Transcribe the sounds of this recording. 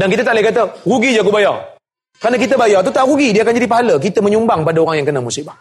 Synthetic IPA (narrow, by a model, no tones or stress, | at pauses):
dankit̪̬ət̪alekat̪̬əɣuɡid͡ʒak̬ubajɔ | kəanakit̪əbajɔt̪̬ut̪aɣuɡidiakand͡ʒadip̬aɦalək̬it̪əməɲumbaŋpadaoɾaŋjaŋkənamusiba